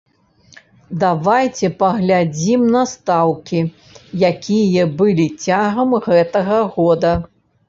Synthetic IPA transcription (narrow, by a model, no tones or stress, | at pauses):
d̪avajt͡sʲɛpɐɣlʲad͡zʲimnɐst̪awkʲi | jakʲijɐbɨlʲit͡sʲaɣɐmɣɛt̪ɐɣɐɣɔd̪ɐ